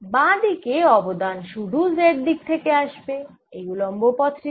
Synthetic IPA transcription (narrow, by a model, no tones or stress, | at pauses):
bãd̪ikeɔbod̪anʃuɽuzeʈ̚d̪ik̚t̪ʰekeaʃbe | ejulombopɔt̪ːɾi